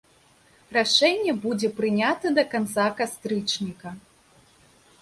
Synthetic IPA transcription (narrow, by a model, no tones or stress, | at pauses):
raʂɛnʲːɛbud͡zʲɛpɾɨnʲat̪ɐd̪ɐkant̪sakast̪ɾɨt͡ʂnʲikɐ